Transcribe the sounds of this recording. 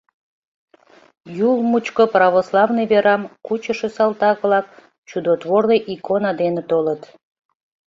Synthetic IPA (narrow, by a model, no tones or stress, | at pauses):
julmut͡ɕkoprɑβoslˠɑvnijβeɾɑmkut͡ɕəʃesɑlˠt̪ɑɣβlɑk̚ | t͡ɕud̪ot̪βorleʔikonɑd̪enet̪olət̪